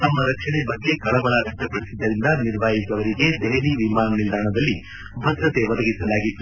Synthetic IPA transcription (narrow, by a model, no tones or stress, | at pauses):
t̪ɐmːɐɾɐkʂɐɳebɐɡːe̞kɐɭɐbɐɭɐɾɐk̚d͡ʒɐpɐɽisid̪ːɐɾind̪ɐniɾʋaːjikɐʋɐɾiɡe̞d̪eɦɐliʋimaːnɐnild̪ʱaːɳɐd̪ɐlːi | bʱɐd̪ɾɐt̪e̞ʋɐd̪ɐɡisɐlaːɡit̪ːu̥